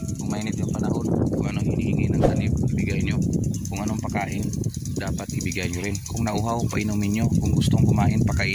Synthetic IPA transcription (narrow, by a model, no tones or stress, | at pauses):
kʊŋmaʔɪnɪt̪joŋpɐnɐho̞nkʊŋɐnoŋhɪnihɪŋinɐŋsanɪpɐhɪbɪɡajnɲo̞kʊŋʔɐno̞ɐŋpɐkaːʔɪn | d̪aːpat̪̚hɪbɪɡajɲoɾɪnkʊŋnɐʔuːɦawpɐ̰ʔɪnumɪnjo̞kʊŋɡʊst̪oŋhʊmaːʔɪnpɐkaʔɪ